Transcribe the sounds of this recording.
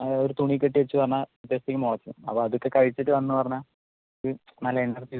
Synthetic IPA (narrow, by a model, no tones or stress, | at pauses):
oɾut̪uɳik̬ʲːeʈ̬ːiʋet͡ɕːɨpɐrɐɲːaut̪jɐst̪ikʲːɐmoɭɐt͡ɕːɐnɨ̰mɐ̰pːoɐðokːe̞kɐɻit͡ɕːiʈːɨʋɐnːɨpɐrɐɲːa | oɾunɐlːɐenːɐrt̪i